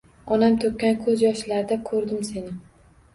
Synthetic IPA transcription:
ɒnamt̪ʰɵp̚ʲkʲːankʰɵzjɒʃlaɾd̪akʰɵɾd̪ɪmse̞nɪ

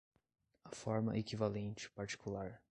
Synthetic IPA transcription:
ɐfɔɾmɐ̰ʔekivalẽnt͡ʃɪ̥paɾt͡ʃi̥kulaɾ

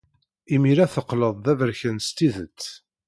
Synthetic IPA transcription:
imiɾæθəqːləðˤðævəɾçənst̪iðət͡sː

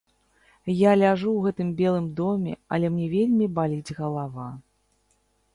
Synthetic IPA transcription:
jalʲaʐuwɣɛt̪ɨmbʲɛlˠɨmd̪ɔmʲɛ̰ɐ̰lʲɛmnʲɛvʲelʲmʲibalʲid͡zʲɣɐlˠava

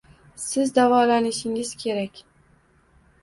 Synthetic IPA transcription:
sɪzd̪avɑːlaniʃiŋiz̥kʲʰeɾɛkʲ

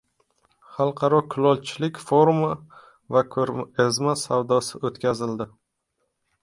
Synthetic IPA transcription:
χɑlˠqʰɑɾɒkʰʊlɒlt͡ʃʰɪlɪkʲfoɾma | vakʰɾazmasawd̪ɒsɪʔot̪kʲazɪld̪ɪ

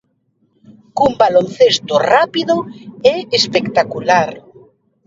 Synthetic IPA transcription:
kumbalonθest̪ʊrapiðʊɛespekt̪akulaɾ

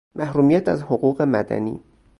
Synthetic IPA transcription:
mʔæhɾuːmijæt̪æzhoɣuːɣe̞mæ̰d̪æ̰nḭː

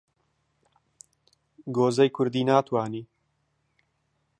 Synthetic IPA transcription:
ɡoːzɐjkʰʊɾd̪iːnaːt̪ʰwaːniː

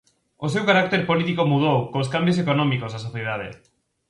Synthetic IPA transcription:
osewkaɾakt̪eɾpolit̪ikomuðowkos̬kambjos̬ekonɔ̃mikozðasoθjeðaðḛ

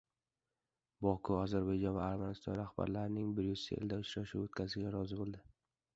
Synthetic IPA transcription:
bɒkʰʊɒzaɾbajd͡ʒɒnvaːɾmanɪst̪ɒ̰nɾahba̰ɾlaɾɪnɪŋbɪɾjʊz̥sḛḛld̪aʊt͡ʃʰɾaʃuwot̪kʲʰazʃɪɡʲaɾɒzɪbolˠd̪ɪ

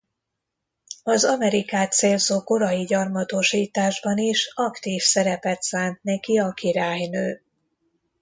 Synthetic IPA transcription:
ɒzɒmɛɾikaːt̪seːlzoːko̞ɾɒjiɟɒrmɒt̪oʃiːt̪aːʒbɒniʃɒkt̪iːfsɛɾɛpɛt̪saːnt̪nɛkiɒkiɾaːjnøː

